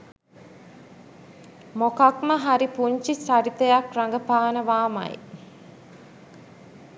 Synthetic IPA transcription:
mokakməɦaɾipuɲt͡ʃisaɾit̪əjakraŋɡəpaːnəʋaːma̰j̰

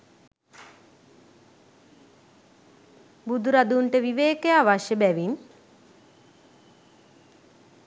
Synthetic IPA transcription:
bud̪uɾad̪uɳʈəʋiʋeːkejaːʋaʃjəbæʋin

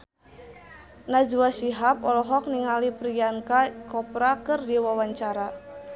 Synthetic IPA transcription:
nad͡ʒuasiɦapɔlɔɦɔk̚niŋalipɾijankakɔpɾakɨrdiwawaɲt͡ʃaɾa

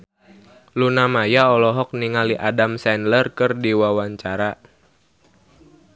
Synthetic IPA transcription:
lunamajaɔlɔɦɔk̚niŋaliʔadamsɛnlərkɨrdiwawaɲt͡ʃaɾa

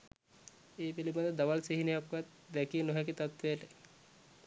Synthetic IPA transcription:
eːpelibad̪əd̪aʋalseɦinejakʋat̪̚ | d̪ɛkiənoɦɛkit̪at̪ʋeʈe

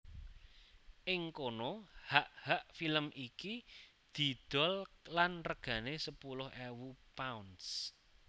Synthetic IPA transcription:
ʔɪŋkonɔhaʔhaʔfiləmʔiki | d̪̥i̤d̪̥ɔ̤llanrəɡ̥ä̤nesəpulʊhɛwupauns

